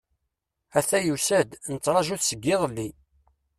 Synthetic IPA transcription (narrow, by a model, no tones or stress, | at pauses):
æθæjusæd̪nət͡sːɾˤɑʒuθsəɡːɪʁəlːi